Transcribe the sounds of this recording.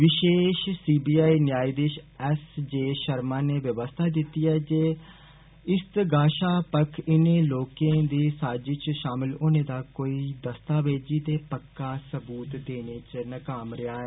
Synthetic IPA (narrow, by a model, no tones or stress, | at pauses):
ʋɪʃeːʃsiːbiːaːiːnjaːiːd̪eːʃɛsd͡ʒeːʃəɾmãːneːʋjəʋəst̪ʰaːd̪ɪt̪iːɛːd͡ʒeː | ɪst̪ɡaːʃaːpəkʰɪnẽːloːkẽːd̪iːsaːd͡ʒɪt͡ʃʃaːmɪlʊnẽːd̪aːkoːiːd̪əst̪aːʋeːd͡ʒiːt̪eːpəkːãːsəbuːt̪d̪eːneːt͡ʃnəkaːmɾɪaːɦɛː